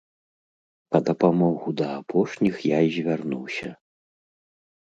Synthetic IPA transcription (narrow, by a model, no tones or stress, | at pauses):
pɐd̪ɐpamɔɣud̪ɐːpʰɔʂnʲixjaizʲvʲarnuwsʲɐ